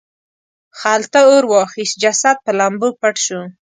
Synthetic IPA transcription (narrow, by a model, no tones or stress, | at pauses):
xalt̪aoɾwɑxisd͡ʒasat̪̚pəlambupaʈʃu